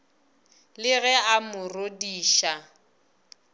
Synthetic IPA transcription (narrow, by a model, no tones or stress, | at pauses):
lɪɣɛamʊrodiːʃa